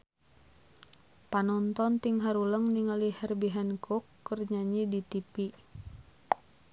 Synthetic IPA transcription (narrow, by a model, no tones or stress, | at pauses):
panɔnt̪ɔnt̪iŋɦaɾuləŋniŋalihɛrbiɦankukːərɲaɲidit̪ipi